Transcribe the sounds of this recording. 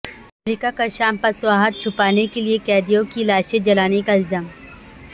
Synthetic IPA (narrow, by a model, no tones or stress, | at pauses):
ɐmɾikakaʃaːmpɐɾsʊwaːɦət̪̚t͡ʃʰʊpaːnekeliekɛːd̪ijõkilaːʃed͡ʒɐlaːnekaɪlzaːm